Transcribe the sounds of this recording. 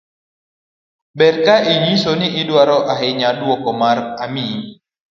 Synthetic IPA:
bɛrkaʔiɲisoniʔːdwaɾɔʔaɦeɲadwɔkɔmarami

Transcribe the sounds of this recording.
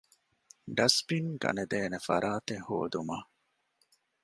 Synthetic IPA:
ɖɐspiŋɡɐ̰ned̪eːnefɐɾʔaːt̪eho̰ːd̪umaː

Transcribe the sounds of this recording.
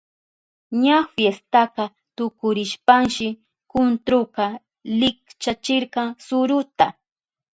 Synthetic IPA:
ɲafjest̪aqɑ | t̪ʊkʊɾɪʃpaŋʃɪ | kʊnt̪ɾʊqɑ | lɪkt͡ʃat͡ʃɪɾqɑŋsʊɾʊt̪a

